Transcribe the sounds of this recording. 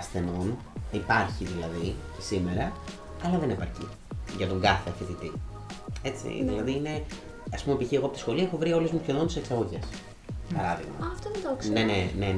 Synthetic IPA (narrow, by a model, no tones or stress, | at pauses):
ɐsθe̞no̞n | ipɐɾçiðilɐði | sime̞ɾɐ | ɐlɐðe̞nipɐɾçḭ | ʝɐt̪o̞ŋɡɐθeɐçet̪it̪i | e̞t͡sḭðilɐðiine̞ | ɐspume̞piçieɣoɐpot̪sxo̞liɐexovɾio̞lezmucenont̪se̞ksɐɣo̞ʝes | pɐɾɐðiɣmɐ̰ft̪oðed̪oksnenene